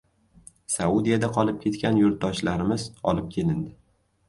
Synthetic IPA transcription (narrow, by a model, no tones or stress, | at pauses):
saud̪ijad̪aqʰɒlˠɪp̚kʲʰe̞t̪kʲanjʊɾt̪̚d̪ɒʃlaɾɪmɪzɒ̰lˠɪp̚kʲʰe̞lɪnd̪ɪ